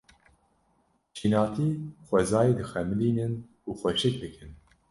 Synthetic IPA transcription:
t͡ʃʰiːnɑːt̪ʰiːxʷɛzɑːjid̪ɨxɛmɨliːnɨn | uːxʷɛʃɨk̚d̪ɨkʰɨn

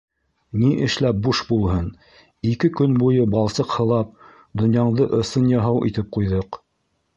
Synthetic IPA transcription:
niʔɘ̆ʃlæp̚buʃbulˠɦɤn | ikɘkɵnbujɤbɑlˠsɤqhɤ̆lˠɑp̚ | d̪ŏnjɑɴd̪ɤʔŏsɤnjɑɦɑwʔḭt̪ɘp̚qujðɤq

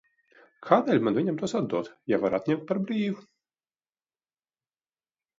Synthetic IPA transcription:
kʰaːd̪ɛːlʲmanvʲiɲʲamt̪uɔsad̪uɔt̪javaɾat̪nɲʲɛmt̪̚paɾbɾiːvu

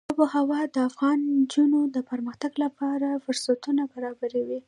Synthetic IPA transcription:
d̪apəhawɑd̪əafɣɑnd͡ʒunod̪əpəɾməxt̪aɡlapɑɾafʊɾsat̪unabaɾɑbaɾawi

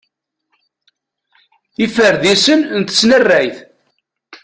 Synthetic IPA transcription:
ifəɾðisənnt̪ə̥snərːæjθ

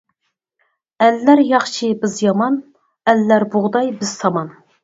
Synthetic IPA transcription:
ælːæɾjɑχt͡ʃʰibɪzjɑmɑn | ælːæɾbʊʁd̪ɑjbɪz̥t̪ʰɑmɑn

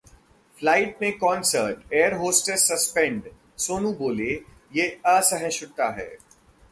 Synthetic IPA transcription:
flaːɪʈmẽkɔ̃ːnsəɾʈeːəɾɦoːsʈəɾsɐspɛ̃ɳɖ | soːnũboːle | jeːəsəɦɛ̃ʃʊɽt̪aɦɛ̰ː

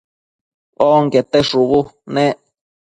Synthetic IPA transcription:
oŋket̪eʂuβunẽʔ

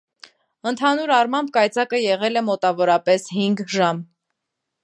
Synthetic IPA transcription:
ənt̪ʰɑnuɾɑrmɑmb̚kɑjt͡sɑkəjɛʁɛlɛmɔt̪ɑvɔɾɑpɛshiŋɡʒɑm

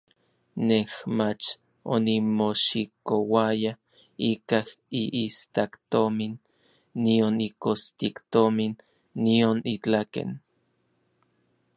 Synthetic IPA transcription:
nehmat͡ʃ | o̰nimoʃikowaja | ikah | iʔist̪akt̪ominː | ionikost̪ikt̪ominː | ionit͡ɬakḛn

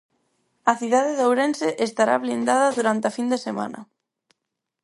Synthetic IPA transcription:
ɐθiðaðeðowɾenseʔest̪aɾa̰βlind̪aðɐðuɾant̪ɪafind̪esemã̰nɐ̰

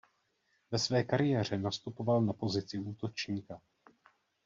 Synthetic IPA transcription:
vɛsvɛːkaɾɪjɛːr̝ɛnast̪upo̞valnapo̞zɪt͡sɪuːt̪o̞t͡ʃɲiːka

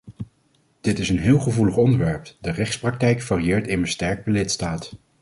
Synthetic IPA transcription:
d̥ɪtɪsənɦɪːlˠχəvuləχɔndəɹʋɛɹpdərɛχtsprɑk̚tɛjkfaːriɪːɹtɪməstɛɹk̚pəlɪtstaːt

